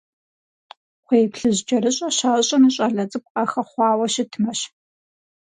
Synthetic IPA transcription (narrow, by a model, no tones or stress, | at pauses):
χʷeːpɬɨʑd͡ʒɐɾɨɕʼɐɕaɕʼɐnɨɕʼɐɮɐt͡sʼɨp̚ʷqɐxɐχʷɑːwɐʃɪtʰmɐɕ